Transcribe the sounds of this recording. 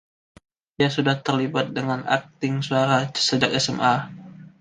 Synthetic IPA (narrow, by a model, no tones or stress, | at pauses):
diasudaht̪ərlibat̪̚dəŋanʔa̰k̚t̪ɪŋsuaɾaə̥səd͡ʒakɛsɛmʔa